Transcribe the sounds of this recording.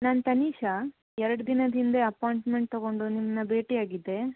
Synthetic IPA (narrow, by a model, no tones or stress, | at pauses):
naːnt̪ɐniːʃɐ | ɛɾɐɽud̪inɐd̪ind̪eɐpaːjɳʈmeɳʈ̚t̪oɡo̞ɳɖunimːɐnɐbe̞ːʈiaːɡid̪ːe̞